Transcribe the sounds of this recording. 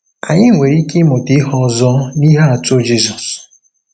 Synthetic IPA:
a˨ɲɪ˦ŋʷe˨ɾi˦ke˦mo˨ti˦ɦɔ˦zɔ˦ni˦ɦa˦a˨tʊ˦d͡ʒi˦sɔ˨s

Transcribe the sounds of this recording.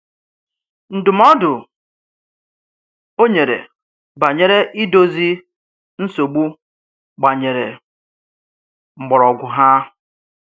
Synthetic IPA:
n̩˨dʊ˨m˦ɔ˦dʊ˨ | o˦ɲe˨ɾḛ˨ | ba˨ɲe˨ɾe˦ʔi˦do˦zi˦ | n̩˦so˨ɡ͡bu˦ | ɡ͡ba˨ɲe˨ɾe˨ | ŋ͡m̩˨ɡ͡bɔ˨ɾɔ˨ɡʷʊ˨ɦa˦

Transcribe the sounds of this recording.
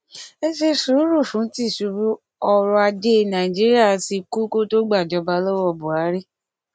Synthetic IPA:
e˦ʃe˧su˨˦ɾu˦˨fũ˨˦ti˦˨ʃu˧ɾu˦ | ɔ˧ɾɔ˧a˧d͡ʒe˦˧˨nã˨ĩ˨d͡ʒi˦ɾi˦a˦˨si˧ku˦ko˦to˦ɡ͡ba˦˨d͡ʒɔ˧˦ba˧˦lɔ˦wɔ˦˨bu˨a˨˦ɾi˦

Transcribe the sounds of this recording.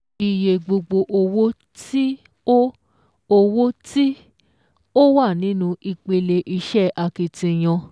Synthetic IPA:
i˨je˨ɡ͡bo˧ɡ͡bo˧ʔo˧wo˦ | ti˦ | o˦ | o˧wo˦ti˦ | o˦wa˦˨nĩ˨˦nũ˧i˧k͡pe˧le˧ʔi˧ʃɛ˦ʔa˧ki˧tĩ˧j̃ɔ̃˧

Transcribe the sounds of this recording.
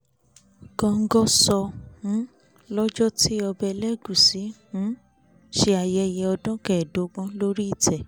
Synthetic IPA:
kɔ̃˧ŋ̩˦ɡɔ˦sɔ˧ũ˨˦ | lɔ˦d͡ʒɔ˦ti˦ɔ˧bɛ˧lɛ˦ɡũ˨si˨˦hũ˨˦ | ʃe˦a˧jɛ˧jɛ˧ɔ˧dɔ̃˦kɛ˨do˨˦ɡ͡bɔ̃˦lo˦ɾi˦i˦˨tʰɛ˨

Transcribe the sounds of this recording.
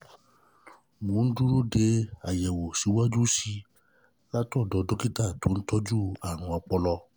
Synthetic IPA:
mõ˨˦n̩˦du˦ɾo˦de˧a˨jɛ˨wo˨si˨˦wa˦d͡ʒu˦si˧ | la˦tu˦ɔ˦˨dɔ˨˧do˦ki˦ta˦˨to˨˦n̩˦tɔ˦d͡ʒu˦a˦˨ɾ̃ũ˧a˧k͡pɔ˧lɔ˧

